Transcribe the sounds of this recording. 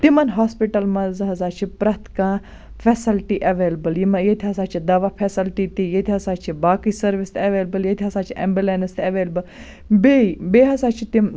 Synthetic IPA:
t̪imɐnɦaːspiʈɐlmɐzɦɐzaːt͡ʃʰipɾɐt̪kã | fʰesilʈiʔɐʋeːlɐbɐljimɐjet̪ʰiɦɐsaːt͡ʃʰid̪ɐʋapʰesilʈit̪ijet̪ʰiɦɐsaːt͡ʃʰibaːkisɐɾʋist̪ʰʲɐʋeːlbɐljet̪ʰiɦɐsaːt͡ʃʰiʔḛmbilenst̪ɐʋeːlbɐl | beibeːɦɐsaːt͡ʃʰit̪im

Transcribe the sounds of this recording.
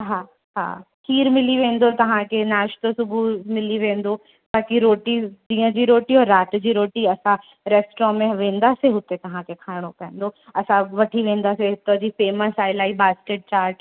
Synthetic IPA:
ɦaː | ɦa̰ːkʰiːɾmɪliʋẽːnd̪ot̪ɐʋ̤ãkʰenaːʃt̪osʊbʱumɪliʋẽːn̆d̪o | t̪aːkiɾoːʈid͡ʑĩːə̃d͡ʑiːɾoːʈiɔːɾːaːt̪d͡ʑiːɾoːʈiɐsã | ɾɛːsʈɾɔmẽʋẽːn̆d̪aːseɦʊt̪et̪ɐʋ̤ãkʰekʰaːɪɽ̃opɐɦɪ̃nd̪oɐsãʋɐʈʰiʋẽːnd̪aseɦʊt̪əd͡ʑiːfeːməsaːɪlaːibaːskeːʈ̚t͡ɕaːɾʈ

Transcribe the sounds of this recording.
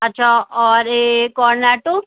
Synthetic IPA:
ɐtːʃʰaːɔːɾekɔːɾnɛːʈo

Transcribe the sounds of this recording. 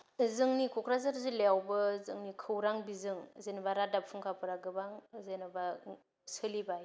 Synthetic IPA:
ɯzɯŋnikʰɔkʰɾazaɾzɯlejawbɯzɯ̰ŋnikʰɯwɾaŋbizɯŋzenbaɾadapʰuŋkʰapʰɯɾaɡɯbaŋzenɯba | sɯlibaj

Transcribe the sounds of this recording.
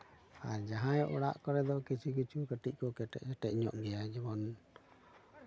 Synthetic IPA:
aɾd͡ʒaɦãjɔʔuɽaʔkɔɾɛd̪ɔkit͡ʃʰikit͡ʃukəʈic̚ˀkɔkɛʈɛ̰ʔsɛʈɛc̚ɲɔ̰ʔɡɛjad͡ʒɛbɔn

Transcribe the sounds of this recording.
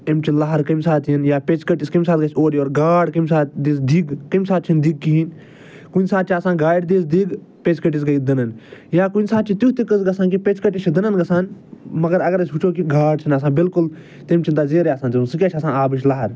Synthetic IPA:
emt͡ʃʰilɐɦɐɾkɐmsaːt̪jinjaːpet͡ʃkɐʈiskɐmʲsaːt̪ɡɐsʲoːɾioːɾɡaːɽkɐmsaːt̪d̪iːsd̪iɡkɐmsaːt̪̚t͡ʃʰind̪iɡ̚kiɦin | kunʲsaːt̪̚t͡ʃʰiasãːɡaːjʈd̪iːsd̪iɡ | pet͡ʃkɐʈis̬ɡɐjd̪ɐnɐnjaːkunʲsaːt̪̚t͡ʃʰit̪juɦt̪ikəsɡɐsãːkipet͡ʃkɐʈit͡ʃʰid̪ɐnɐnɡɐsãːnmɐɡɐɾɐɡɐɾɐsʲɦut͡ʃʰoːkiɡaːɽ̚t͡ʃʰinɐsãːbilkul | t̪emʲt͡ʃʰint̪aːzeːɾeasãːnt̪isɨkʲaːt͡ʃʰɐsãːaːbɨʃ̬laɦɐɾ

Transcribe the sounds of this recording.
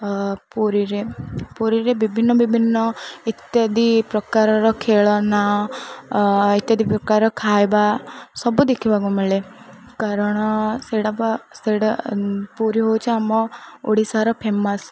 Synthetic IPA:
puɾiɾepuɾiɾebibʱinːɔbibʱinːɔit̪jɔd̪ipɾɔkaɾɔɾɔkʰeːɭɔna | it̪jɐd̪ipɾɔkaɾɔkʰaːjbasɔbud̪ekʰibaɡumeɭe | kaɾɔɽ̃ɔseɽabaseɽpuɾiɦowt͡ʃʰiamɔoɽisaɾɔpʰemɐs

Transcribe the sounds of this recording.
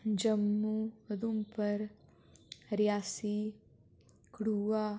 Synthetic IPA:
d͡ʒɐmːud̪umpɐɾ | ɾjaːsi | kɽuaː

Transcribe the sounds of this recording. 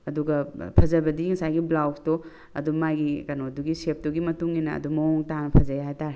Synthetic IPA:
ɐduɡɐpʰɐzɐbɐdiŋɐsajɡiblawsto | ɐ̰dumajɡikɐnoduɡisep̚tuɡimɐtuŋinɐɐ̰dumɐoŋtanɐpʰɐzajɦajtaɾi

